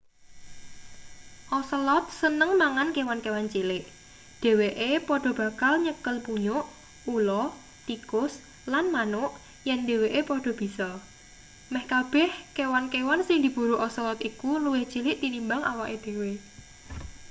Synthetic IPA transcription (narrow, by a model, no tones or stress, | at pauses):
ʔɔsəlɔt̪̚sənəŋmaŋankewankewant͡ʃilɪʔ | d̪̥e̤weʔepɔɖ̥ɔ̤b̥ä̤kalɲəkəlpuɲʊʔ | ulɔ | t̪ikʊs | lanmanʊʔ | jɛnd̪e̤weʔepɔɖ̥ɔ̤b̥isɔ | mɛhkab̥ɛ̤hkewankewansɪŋd̪i̤b̥uɾuʔɔslɔt̪ikuluwɪht͡ʃilɪʔt̪inimbaŋa̰waʔed̪̥e̤we